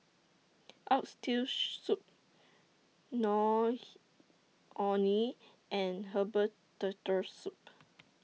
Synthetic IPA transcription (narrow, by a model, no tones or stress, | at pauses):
ʔatstilsup̚ | nɔ | ʔɔni | ʔɛ̃nɦəbə | tətəsup̚